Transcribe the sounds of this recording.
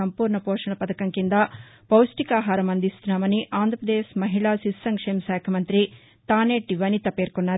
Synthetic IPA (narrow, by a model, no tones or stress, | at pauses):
ɐmpuːɾɳɐpoːʂɐɳɐpɐd̪ɐkɐŋkind̪ɐpɐwsʈikaːɦaːɾɐmɐnd̪ist̪naːmɐniʔaːnd̪ʱɾɐpɾɐd̪eːsmɐɦiɭasisːɐŋkʂeːmsaːkʰɐmɐnt̪ɾi | t̪aːneːʈiʋɐnit̪ɐpeːɾkonːaː